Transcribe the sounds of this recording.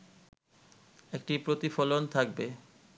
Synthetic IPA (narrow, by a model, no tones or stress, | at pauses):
ek̚ʈipɾot̪ifɔlont̪ʰak̚be